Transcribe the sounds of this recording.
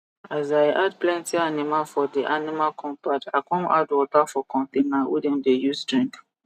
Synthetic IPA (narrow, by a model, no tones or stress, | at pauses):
azajʔad̚plɛ̃ntianimalfɔdiʔanimalkʰɔ̃mpatakɔ̃nadwɔtafɔkʰɔ̃ntẽnawḭdɛ̃mdejusdɹĩŋk